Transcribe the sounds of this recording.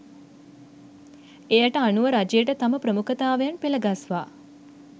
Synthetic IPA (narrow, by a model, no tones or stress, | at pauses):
ejaʈəanuʋəɾad͡ʒejəʈət̪aməpɾəmukʰət̪aːʋejanpiləɡasʋaː